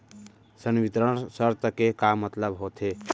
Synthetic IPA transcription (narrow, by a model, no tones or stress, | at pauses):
sənʋit̪ɾənsəɾt̪əkekamːət̪ləbɦot̪ʰe